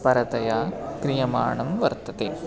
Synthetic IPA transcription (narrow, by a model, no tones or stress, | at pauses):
pɐɾɐt̪ɐjaːkɾɪjɐma̰ːɳɐmʋɐɾt̪ɐt̪e